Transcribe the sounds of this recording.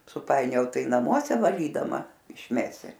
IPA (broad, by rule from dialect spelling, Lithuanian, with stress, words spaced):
sʊˈpɐɪnʲoːjɛʊ ˈtɐɪ nɐˈmuɔsʲɛ ʋɐˈlʲiːdɐmɐ ɪʃʲˈmʲæːsʲɪ